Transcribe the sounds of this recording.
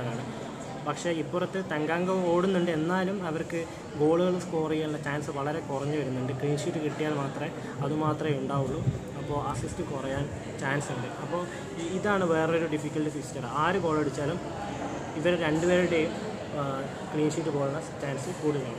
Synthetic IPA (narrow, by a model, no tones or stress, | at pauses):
laːɳɨ | pɐkʂe̞ipːurɐt̪ːɨt̪ɐŋɡaːŋɡɐoːɽunːuɳɖɨe̞nːaːlumɐʋɐrkɨ | ɡo̞ːɭuɣɐɭskurɐjaɭːɐt͡ɕaːnsɨʋɐɭɐɾe̞kurɐɲːɨʋɐɾunːuɳɖɨkɭiːnʂiːtːɨkiʈːijaːlmaːt̪rɐe | ɐðumaːt̪rɐmeuɳɖaːʋuɭːu | ɐpːo̞ːɐsistɨkurɐjaːn | t͡ɕaːnsuɳɖɨɐpːo̞ː | iðaːɳɨʋe̞ːreo̞ɾuɖifikʲːɐɭʈɨfistːɐraːɾuɡo̞ːɭɐɽut͡ɕːaːlum | iʋɐɾɾe̞ɳɖɨʋe̞ːɾuɽe̞jum | kɭiːnʂiʈːɨɡo̞ːɭuɭːɐt͡ɕaːnsɨkuːɽunːɐːɳɨ